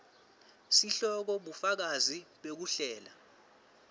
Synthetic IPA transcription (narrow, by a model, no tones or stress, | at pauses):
siɬɔk̬ɔɓufak̬aziɓek̬uɬɛːla